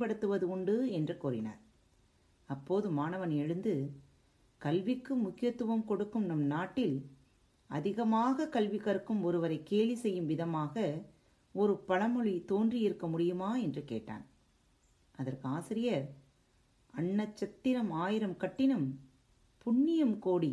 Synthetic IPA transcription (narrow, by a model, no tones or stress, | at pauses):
pɐɽɯt̪ːɯʋɐðɯʊɳɖɯɛndrɯkuːɾɪna̰ːɾ | ɐpːoːðɯmaːnɐʋɐnɛɻɯnd̪ɯ | kɐlʋɪkːɯmʊkːɪjɐt̪ːɯʋɐmkɔɽɯkːɯmnɐmnaːʈːɪl | ɐ̰ðɪɣɐmaːɣɐkɐlʋɪɣɐɾɯkːɯmɔɾɯʋɐɾɐɪkːeːɻisɛjːɯmʋɪðɐmaːɣɐ | ɔɾɯpɐɭɐmɔɻit̪oːndriɪɾɯkːɐmʊɽɪjɯmaːɛndrɯkḛːʈːa̰ːn | ɐðɐɾkɯaːsɪɾɪjɐɾ | ɐɳːɐt͡ʃːɐt̪ːɪɾɐmaːjɪɾɐmkɐʈːɪnɯm | pʊɳːɪjɐmkoːɽi